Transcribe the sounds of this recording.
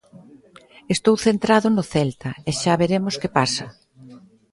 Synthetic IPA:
est̪owθent̪ɾaðʊnʊθɛlt̪ɐeʃaβeɾemoskepasɐ

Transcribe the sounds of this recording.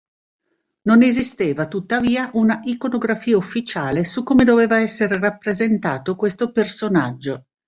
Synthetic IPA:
nonezist̪eːvat̪ut̪ːaviːaʔunaʔikonoɡɾafiːaufːit͡ʃaːlesukːoːmed̪oveːvaɛsːeɾerapːɾezent̪aːt̪okwest̪opersonad͡ʒːo

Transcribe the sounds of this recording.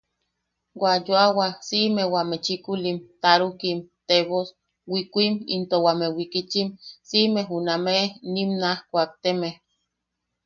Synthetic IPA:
wajoawasimewamet͡ʃikulimt̪aɾukimt̪eβos | wikʷimḭnt̪owamewikit͡ʃimsimeɦunamenimnahkʷak̚t̪emeh

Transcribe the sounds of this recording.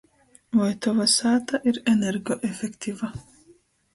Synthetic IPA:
vɔjt̪ɔvɐsaːt̪ɐʔɪɾɛnɛɾɡɔʔɛfɛkt̪ivɐ

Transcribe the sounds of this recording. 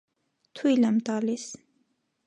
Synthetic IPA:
t̪ʰujlamt̪ɑːlis

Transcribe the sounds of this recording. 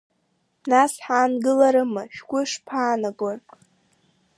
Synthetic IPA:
nasħaːnɡɨlaɾɨmɨʃᶣɡʷʊʂpʰaːnaɡʷarʼ

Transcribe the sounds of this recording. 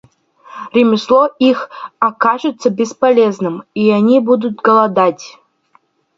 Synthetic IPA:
rʲɪmʲɪslˠoixakaʐɨt̪sɐbʲɪspɐlʲeznɨmianʲibud̪ut̪̚ɡɐlˠɐd̪atʲ

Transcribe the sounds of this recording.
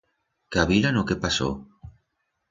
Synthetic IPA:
kaβilanokepaso̰

